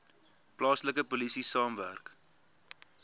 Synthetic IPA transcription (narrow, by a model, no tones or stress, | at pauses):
plɑːsləkəpolisisɑːmvæ̰rk